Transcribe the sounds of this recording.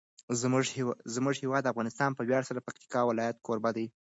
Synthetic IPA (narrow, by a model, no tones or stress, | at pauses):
zmʊʒzmʊʐhɪwɑd̪ːafɣɑnɪst̪ɑnpəwjɑɽsaɾapak̚t̪ɪ̥kɑwɪlɑjat̪̚kʰoɾbad̪aj